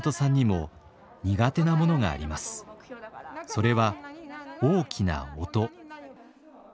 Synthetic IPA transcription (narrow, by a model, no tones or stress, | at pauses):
t̪o̞sãɲ̟ːimo̞ | ɲ̟iɡat̪e̞namo̞no̞ɡa̰ːɾʲimasɨ̥ | so̞ɾe̞βa | oːkʲina̰ot̪o̞